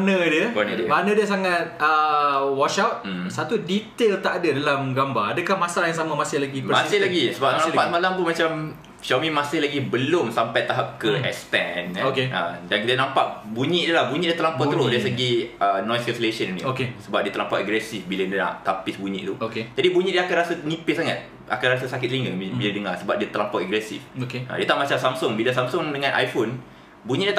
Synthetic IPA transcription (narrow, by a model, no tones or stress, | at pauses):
nə̃diəbanədəmanə̃diəsaŋat̪̚əwɔʃawt̪̩̚sat̪udit̪elt̪aʔadədalamɡambaradəkahmasalajaŋs̬amamasɪhlaɡipəmassɪlaɡisəbaapamalamt̪unmat͡ʃam | ʃomĩmasɪhlaɡibəlʊmsampajt̪aɦap̚kəɛ̰kst̪ɛnokeʔə̰dankit̪aənãmpaʔbuɲĩʔdulahbuɲiʔdiat̪əlampɔt̪əɾodasəɡiʔənɔ̃jskəslesəninḭokesəbap̚diət̪əlampaʔaɡɾɛsifbilandəna̰ʔt̪apɪsbuɲḭʔt̪uoked͡ʒadibuɲĩʔdiəakanɾrasanipɪʔsaŋat̪̚ | a̰kanrasasakɪt̪̚liŋɡəbiladəŋasəbap̚diət̪əlampaʔaɡɾɛsḭfokeʔə̰diət̪aʔmat͡ʃamsamsʊŋbilasamsʊŋdəŋãnʔa̰jfon | buɲĩʔdiət̪